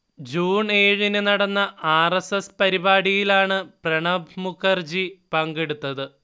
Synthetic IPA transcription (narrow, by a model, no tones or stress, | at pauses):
d͡ʑuːɳe̞ːɻinɨnɐɽɐnːɐʔaːresespɐɾibaːɽijilaːɳɨprɐɳɐbʱmukʰːɐrd͡ʑipɐŋɡe̞ɽut̪ːɐðɨ